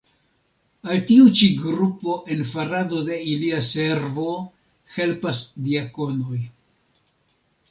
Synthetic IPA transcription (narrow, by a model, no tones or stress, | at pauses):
altiut͡ʃiɡɾupo̞ʔe̞nfaɾado̞de̞iliase̞ɾvo̞ | he̞lpasdiako̞no̞j